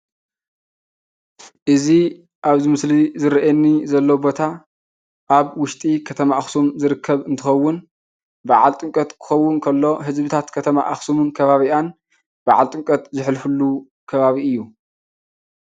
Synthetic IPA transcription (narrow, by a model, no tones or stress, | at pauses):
ʔɨzi | ʔaβzɨmɨslizɨɾɐʔɛnːizɐlːobo̞t̪ʰa | ʔaβwʊʃt̪ʼikʰɐt̪ʰɐmaʔːxsumzɨɾɨkʰːɐβɨnt̪ʰɨxɐwːʊn | baʕalt̪ʼɨŋkʼɐt̪kʰɨ̥xɐwːʊnkʰɐlːo̞ɦɨzbɨt̪ʰat̪kʰɐt̪ʰɐma̰ʔaxsumɨnkʰɐβaβiʔan | baʕa̰lt̪ʼɨŋkʼɐt̪zɨħlfɨlːu | kʰɐβaβiɨjːu